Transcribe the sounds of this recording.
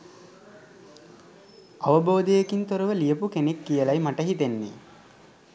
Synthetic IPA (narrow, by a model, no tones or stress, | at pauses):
ɐʋəboːd̪ejekint̪oɾəʋəlijəpukenekːijəlajmaʈəɦit̪enːḛ